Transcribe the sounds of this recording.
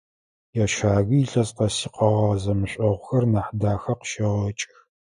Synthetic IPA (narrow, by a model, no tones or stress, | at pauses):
jaʃaːɣɨːɬɐzqɐsiːqɐʁɐzɐmɨɕʷʼɐʁʷʊxɐrnaːħdaːxɐqə̥ʃɐʁɐt͡ʃʼx